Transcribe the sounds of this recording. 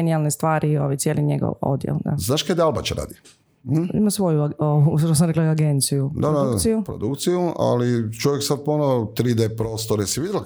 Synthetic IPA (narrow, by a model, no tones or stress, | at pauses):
enialˠnest̪ʋaːɾioʋajtsjeːliɲeɡo̰ʋo̰d̪jḛld̪a̰znaːʃkad̪alba̰t͡ɕɾa̰ːd̪i | imasʋo̞juaout̪os̬amɾeklaaɡent̪sijud̪ad̪ausijupɾo̰d̪ukt̪sijua̰lit͡ʃoʋjeksad̪̚ponat̪ɾiːd̪epɾoːst̪oɾesiʋid̪ʲel